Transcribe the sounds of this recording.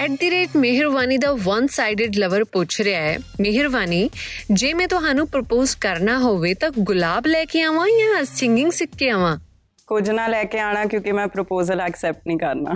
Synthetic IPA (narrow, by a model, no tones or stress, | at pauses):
ɛːʈ̚d̪iɾeːʈmɪɦɪɾʋaːniːd̪aːʋənsaːɪɖɪɖləʋəɾpʊt͡ʃʰɾejaːɛːmɪɦɪɾʋaːniːd͡ʒeːmɛ̃ːt̪ʊɦaːnũːpɾəpoːzkəɾnaːɦoːʋeːt̪ãːɡʊlaːblɛːkeãːʋãːjãːsɪŋɡɪ̃ŋɡsɪkːeãːʋãː | kʊd͡ʒnãːlɛːkeaːɽ̃aːkjõːkimɛ̃ːpɾopoːzələksɛːp̚ʈ̚nĩːkəɾna̰ː